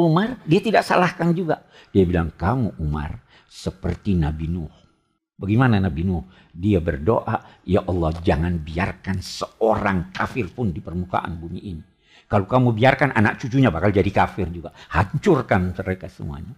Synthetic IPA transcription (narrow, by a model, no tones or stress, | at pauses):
umardiat̪idaʔsalahkand͡ʒuɡa | d̥iabilaŋkamuʔuma̰r | səpərt̪inabinʊh | baɡimananabinʊh | diabərdo̰ʔajaʔɑlːɑhd͡ʒaŋanbiarkansəoɾaŋkafɪrpʊndipərmuka̰ʔa̰nbumiʔini | kalokamubiarkanʔa̰nak̚t͡ʃut͡ʃuɲabakald͡ʒadikafɪrd͡ʒuɡaʔhaɲt͡ʃʊrkanməɾekasəmṵa̰ɲa